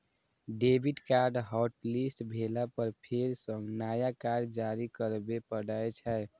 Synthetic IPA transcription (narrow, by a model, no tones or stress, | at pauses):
ɖebʱiɖkaɾɖɦɔʈlisʈbʱelapəɾpʰeɾsə̃ŋɡnajakaɾɖd͡ʒaɾikəɾbepəɽaet͡ʃʰɛ